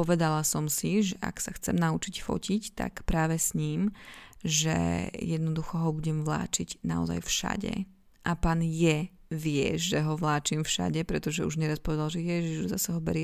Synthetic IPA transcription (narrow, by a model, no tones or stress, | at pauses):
pɔʋɛd̪alasɔmsiʒɛʔa̰ksaxt͡sɛ̰mnaut͡ʃicfɔ̰cict̪a̰kpɾaːʋɛsɲiːm | ʒɛ̰jɛd̪nɔd̪uxɔɦɔbuɟɛmʋla̰ːt͡ʃiɟnaɔ̰za̰jfʃa̰ɟɛ̰ | ʔapaːnjɛ | ʋɪɛ̰ʒɛɦɔʋlaːt͡ʃimfʃa̰ɟɛpɾɛt̪ɔʒɛuʒɲɛɾaspɔʋɛd̪alʒɛjɛʒiʒuza̰saɦɔbɛ̰ɾjɛ